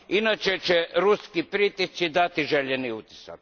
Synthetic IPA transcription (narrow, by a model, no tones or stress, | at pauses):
inat͡ʃet͡ʃeɾuskipɾit̪isid̪at̪iʒeʎeniut̪i̥sa̰k